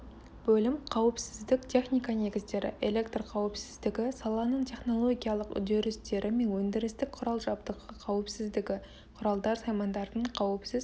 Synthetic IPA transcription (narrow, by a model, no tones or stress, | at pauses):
b̥ɵlɪmqʰɑwɪpsɪzd̪ɪkt̪ʰʲe̞χnʲijkanʲe̞ɡʲɪzd̪e̞ɾɪ̰ʔe̞lʲe̞kt̪rqʰɑwɪpsɪzd̪ɪɡʲɪsɑlˠɑnəɴt̪ʰʲe̞χno̞lˠo̞ɡʲijɑlˠəqd̪ɵɾɪst̪e̞ɾʔɪme̞nwɵnd̪ɪɾɪst̪ɪk̚qʰʊɾɑlˠʒɑbd̪əʁəqʰɑwɪpsɪzd̪ɪɡʲɪ | qʰʊɾɑlˠd̪ɑɾsɑjmɑnd̪ɑɾd̪əɴqʰɑwɪpsɪz